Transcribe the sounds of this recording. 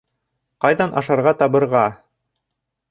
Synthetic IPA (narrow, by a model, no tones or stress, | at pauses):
qɑjðɑnʔɑ̰ʃɑɾʁɑt̪ɑbɤ̆ɾʁɑ